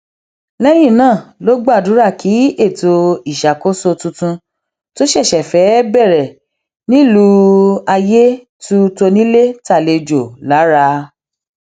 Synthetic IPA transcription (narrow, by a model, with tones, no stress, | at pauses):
lɛ˦jĩ˦˨nãː˦˨lo˨˦ɡ͡ba˦˨dũ˨˦ɾa˦˨kʰi˨˦e˦˨to˧i˨ʃa˨ko˦so˧tũ˧tũ˧ | to˦ʃɛ˦˨ʃɛ˨fɛ˨˦bɛ˦˨ɾɛ˨ | nĩ˦˨lu˧˦a˧je˦ | tu˦to˧nĩ˦le˦ta˦˨le˧d͡ʒo˨la˨˦ɾa˧˦